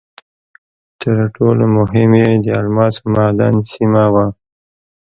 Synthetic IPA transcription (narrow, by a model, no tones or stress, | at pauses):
t̪ʰəɾʈʰolomʊɦɪmed̪əalmɑsmɑd̪ɑ̰nsimawa